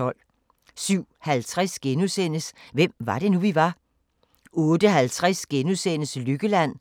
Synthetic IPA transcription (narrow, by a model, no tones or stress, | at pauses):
ɒ̽l̰ | syʊ̰hælt͡sʰʁasɡ̥enusen̰əsʋem̰ʋɑ̈d̥e̝nuʋiʋɑ̈ | ɔ̽ːd̥əɦælt͡sʰʁasɡ̥enusen̰əslyɡ̥əlæn̰